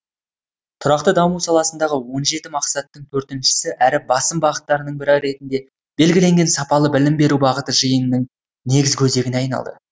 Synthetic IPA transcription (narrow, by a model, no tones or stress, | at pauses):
t̪ʰʊɾɑq̚t̪əd̪ɑmusɑlˠɑsənd̪ɑʁəwo̞nʒe̞t̪ɪmɑqsɑt̪ːəɴt̪ʰɵɾt̪ɪnʃɪ̥sɪʔæɾɪbɑsəmbɑʁət̪ːɑɾənəɴbɪɾɑjɾe̞t̪ɪnd̪e̞ | b̥e̞lɡʲɪle̞ŋɡʲe̞nsɑpɑlˠəbɪlɪmbe̞ɾubɑʁət̪əʒəjənːəŋ | ne̞ɡʲɪzkʲʰɵze̞ɡʲɪnɑjnɑ̰lˠd̪ə̰